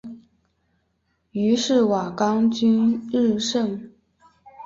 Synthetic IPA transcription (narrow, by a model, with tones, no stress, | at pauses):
y˧˥ʂɻ̩˥˩wa˨˩kɑ˥ŋt͡ɕy˥nɻɻ̩˥˧ʂɤ˥˩ŋ